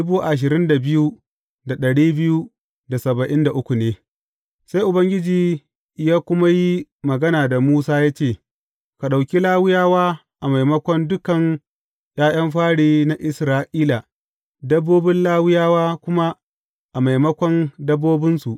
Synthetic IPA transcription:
bu˦ʔa˨ʃ̬ɪ˨ɾɪ˦nda˨bɪ˦ju˦ | da˨ɗɐ˨ɽiː˦bɪ˦ju˦ | da˨sɐ˨bɐ˨ʔɪ˦nda˨ʔʊ˦kʷu˨neː˦ | sa˦jʔʊ˨bɐ˦ŋɡʲɪ˦d͡ʒiː˨ | jaː˦kʷʊ˦ma˦ji˦mɐ˨ɡɐ˦naː˨da˨muː˦saː˦jaː˦t͡ʃeː˦˨ | ka˨ɗa˨wkʲi˦laː˦wɪ˦jaː˦waː˦ | ʔa˨ma˨jmɐ˦kʷɔ˦ndʊ˦kɐ˨n | j̰aː˦j̰ɐ˦mɸaː˦ɽiː˦˨na˦ʔɪ˨sɾaː˦ʔiː˦la˨ | dɐ˦bːoː˦bɪ˦nlaː˦wɪ˦jaː˦waː˦kʷʊ˦ma˦ | ʔa˨ma˨jmɐ˦kʷɔ˦ndɐ˦bːoː˦bɪ˦nsu˨ʔ

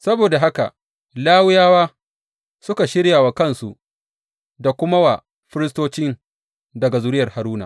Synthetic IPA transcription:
sɐ˦boː˨da˨ɦa˦ka̰˨ | laː˦wʊ˦jaː˦waː˦ | sʊ˦ka˨ʃɪ˦ɾjaː˨wa˨kɐ˦nsṵ˨ʔ | da˨kʷʊ˦ma˦wa˨ | ɸɪ˦ɾɪ˦stoː˦t͡ʃɪ˦n | dɐ˨ɡa˨zʊ˦ɾɪ˦jɐ˨ha˨ɾuː˦na̰˨

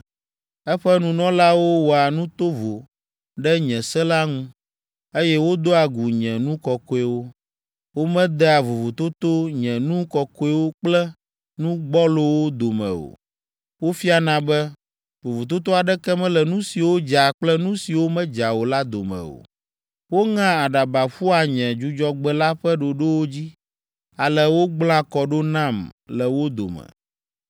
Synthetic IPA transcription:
ɛ˦ɸɛ˦nũ˨nɔ̃˦la˦wo˦wo˨a˨nũ˦t̪o˦vo˨ | ɖɛ˦ɲɛ̃˨sɛ˦la˦ŋũ˦ | e˦jɛ˦wo˦d̪o˦a˨ɡu˨ɲɛ̃˨nũ˦kɔ˨ko˦e˦wo˦ | wo˦mɛ̃˦d̪ɛ˦a˨vo˨vo˨t̪o˦t̪o˦ɲɛ̃˨nũ˦kɔ˨ko˦ɛ˦wo˦k͡plɛ˦ | nũ˦ɡ͡bɔ˦lo˦wo˦d̪o˨mɛ̰̃˨o̰˨ | wo˦fi˦a˨nã˦bɛ˦ | vo˨vu˨t̪o˦t̪o˦a˨ɖɛ˦kɛ˦mɛ̃˦lɛ˨nũ˦si˨wo˦d͡ʒa˨k͡plɛ˦nũ˦si˨wo˦mɛ̃˦d͡ʒa˨wo˨la˦d̪o̰˨mɛ̰̃˨o̰˨ | wo˦ŋã˦a˨ɖa˨ba˨ɸu˦a˨ɲɛ̃˨d͡ʒu˦d͡ʒɔ˦ɡ͡bɛ˦la˦ɸɛ˦ɖo˨ɖo˦wo˦d͡ʑi˦ | a˨lɛ˦wo˦ɡ͡bl̃ã˦kɔ˨ɖo˦nã˦˨mlɛ˨wo˦d̪o̰˨mɛ̰̃˨

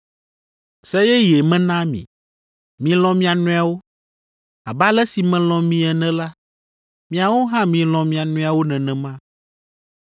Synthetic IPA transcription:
sɛ˦jɛ˦je˨mɛ̃˦nã˦mḭ̃˨ | mĩ˨lɔ̃˨mĩ˦a˨nũ˦a˨wo˦ | a˨ba˦lɛ˦si˨mɛ̃˨lɔ̃˨mĩ˨˦ɛ˨nɛ̃˦la˦ | mĩ˦a˨wo˦ɦã˦mĩ˨lɔ̃˨mĩ˨a˨nũ˦a˨wo˦nɛ̃˨nɛ̃˨mã˦

